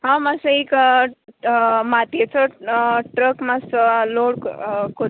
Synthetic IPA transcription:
ɦãmasəik | mat̪et͡səʈɾəkmasəloɽkko

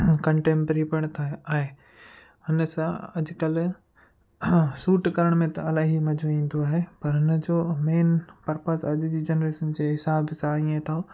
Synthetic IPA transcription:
kɐ̃ɳʈẽːmpɾipəɽ̃t̪ʰaaːɦe | ɦʊnəsãɐd͡ʑkɐl | suːʈkɐɾəɽ̃mẽt̪ɐɐlaːɦimɐd͡ʑʱuĩːn̆d̪oaːɦepɐɾɦɪnəd͡ʑoːmeːnpɐɾpəsɐʄd͡ʑiːd͡ʑɐnɾeːʃənd͡ʑeɦɪsaːbsãĩẽt̪ʰao

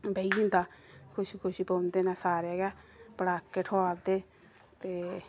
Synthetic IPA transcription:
beiĩnt̪aːkʰʊʃikʰʊʃipõːnd̪eːnaːsaːɾeːɡaːpəɽaːkːeːʈʰoaːd̪eː | t̪eː

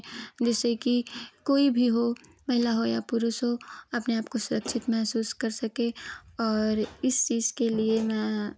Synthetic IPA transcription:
d͡ʒɛːsekikoːibʱiɦo | mɐɦɪlaɦojapʊɾʊsɦoɐpneaːpkosʊɾəkʃʰɪt̪mɛɦsuːskɐɾsɐkẽɔːɾɪst͡ʃiːzkeliemɛ̃ː

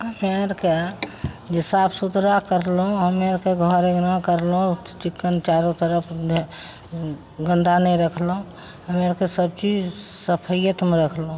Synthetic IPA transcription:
ɦəmeɾke | d͡ʒesapʰsud̪ɾakəɾlũɦəmeɾkeɡʱɔɾeɡnakəɾlɦũt͡ʃikːənt͡ʃaɾot̪əɾəpʰ | ɡə̃nd̪anəjɾəkʰlɦũ | ɦəmeɾkesəb̚t͡ʃid͡ʒsəpʰəjjət̪meɾəkʰlũ

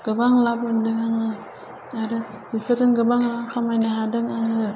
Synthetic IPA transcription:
ɡ̥ɯbaŋlabɯndɯŋaŋɯ | aɾɯ | bipʰetɯŋɡɯbaŋlaŋkʰamajnaɦadɯŋaŋɯ

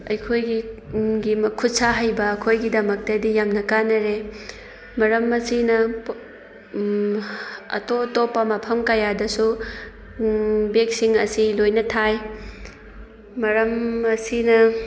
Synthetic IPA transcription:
ɐ̰jkʰojɡiɡimkʰut̚saɦajbɐːkʰojɡidɐmɐk̚tɐdijamnɐkanɐɾe | mɐɾɐmɐsinɐ | ɐ̰totopːɐmɐpʰɐmkɐjadɐsu | bek̚siŋɐsilojnɐtʰaj | mɐɾɐmɐsinɐ

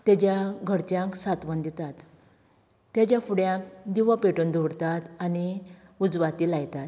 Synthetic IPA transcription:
t̪jad͡ʑjaɡʱəɽt͡ɕjãksat̪ʋənd̪it̪at̪ː | jad͡ʑjafuɽjãkd̪iʋapeʈuːnd̪ʱoɽt̪at̪añiud͡zʋat̪iːlajt̪at̪

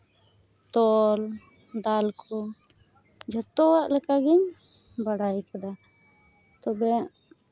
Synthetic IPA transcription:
t̪ɔl | d̪alkʰɔ | d͡ʒʱɛt̪ɔwaʔlɛkaɡiɲ | bəɽajkɛd̪a | t̪ɔbɛ

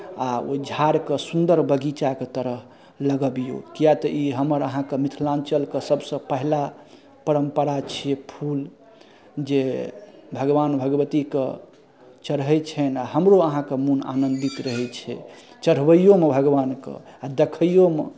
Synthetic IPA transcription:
ao̰d͡ʒʱaɾkesund̪əɾbəɡit͡ʃaket̪əɾəɦ | ləɡəbijo̰kijat̪əʔiɦəməɾəɦãkemit̪ʰlant͡ʃəlkesəbsə̃pəɦla | pəɾəmpəɾat͡ʃʰijepʰul | d͡ʒe | bʱəɡʋanbʱəɡʋət̪ikḛ | t͡ʃəɾɦɛt͡ʃʰɛnaɦəmɾoəɦãkemuna̰nə̃nd̪it̪ɾəɦɛt͡ʃʰɛ̰ | t͡ʃəɾ̤ʋəjomebʱəɡʋankḛad̪ekʰəjome

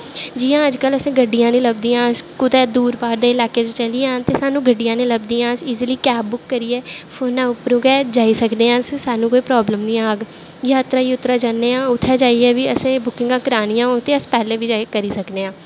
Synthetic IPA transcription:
d͡ʒiːjãːəd͡ʒkələsẽːɡəɖːijãːnẽːləbd̪iːãːskʊd̪ɛːd̪uːɾpaːɾd̪eːɪlaːkeːt͡ʃt͡ʃəliːãːt̪eːsaːnũːɡəɖɪjãːnẽːləbd̪iːãːsiːzliːkɛːbːʊkːəɾiːɛːfʰoːnãːʊpɾũːɡɛːd͡ʒaːiːsəkd̪eːãːssaːnũːkoːiːpɾɔːbləmnĩːãːəɡ | jaːt̪ɾaːiːʊt̪ɾaːd͡ʒaːnːeːãːʊt̪ʰːɛːd͡ʒaːiːɛːʋiːəsẽːbʊkɪ̃ŋɡãːkəɾaːnijãːɦoːɡt̪eːəspɛːlẽːʋiːd͡ʒaːkəɾiːsəkd̪eːãː

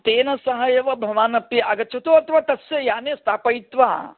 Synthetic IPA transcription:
t̪eːnɐsɐɦɐjeːʋɐbʱɐʋaːnɐpiaːɡɐt͡ʃʰɐt̪oɐt̪ʰɐʋaːt̪ɐsjɐjaːnest̪ʰaːpɐjt̪ʋa̰ː

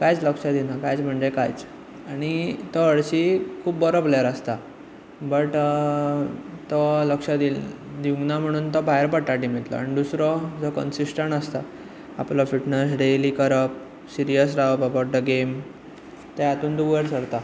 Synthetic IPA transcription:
kajt͡sləkʂad̪inakajt͡sm̤əɳd͡ʑekajt͡s | aɽ̃it̪ɔəɭɕiːkʰuːbbəɾobljaɾast̪a | bəʈ | t̪ɔləkʂad̪il | d̪iũŋɡnam̤əɽ̃uːnt̪ɔbʱajəɾpəʈːaʈim̤it̪lɔ̰a̰nid̪usɾɔd͡zɔkə̰nsisʈəɳʈast̪a | a̰plafiʈnəs̬ɖeliːkəɾəp̚ | siɾijəs̬ɾaʋpabaʈ̚d̪əɡem | t̪eat̪uːnd̪uʋəɾsəɭt̪a

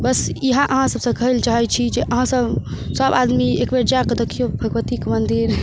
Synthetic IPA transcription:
bəsiɦãʔəɦãsəbsə̃kəɦilt͡ʃaɦɛt͡ʃʰid͡ʒeʔəɦãsəbsəbad̪miekbeɾd͡ʒakəd̪əkʰːijobʱəɡʋət̪ikmənd̪iɾ

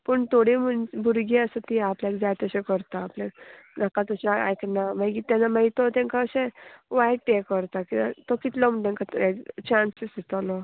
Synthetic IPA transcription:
pəɳt̪ʰoɽimənbʱuɾɡiəsət̪iaplakd͡zajt̪əɕẽkəɾt̪aːplẽnakat̪ɔt͡ɕaa̰jknamãjkit̪ãnamait̪ot̪ɛ̃ŋkaːɕẽʋajʈːekːəɾt̪akiat̪okit̪lɔm̤əɳʈ̪ẽŋkat̪ekt͡ɕansisd̪it̪alɔ

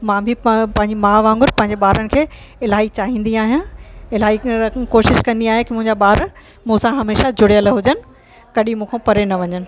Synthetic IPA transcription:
mãːbʱɪpɐ̃ɦɪ̃ɲd͡ʑimãːʋãːŋɡʊɾpɐ̃ɦɪ̃ɲd͡ʑeɓaːɾənɪ̆kʰeː | ɪlaːit͡ɕaːɦĩːn̆d̪iaːɦijãɪlaːiɐkoːʃɪʃkɐ̃nd̪iaːɦjẽkimʊ̃ɦɪ̃ɲd͡ʑaɓaːɾ | mũːsãɦɐmeːʃad͡ʑʊɽijəlɦʊd͡ʑənɪ̆ | kɐɗimũːkʰẽpɐɾenɐʋɐɲənɪ̆

